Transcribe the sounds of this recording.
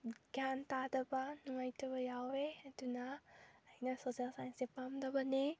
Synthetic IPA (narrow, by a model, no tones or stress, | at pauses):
ɡjantadɐbanuŋajtʰɐbajaweɐdunaːinasosalsajnsepamdabane